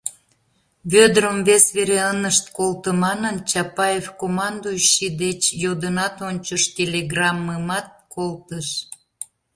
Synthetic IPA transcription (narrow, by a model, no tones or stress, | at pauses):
βød̪ɾəmvesβeɾeənəʃt̪kolt̪əmɑnənt͡ɕɑpɑjefkomɑnd̪oʃid̪et͡ɕjod̪ənɑt̪onʲt͡ɕəʃtʲelʲeɡrɑmːəmɑt̪̚kʰolt̪əʃ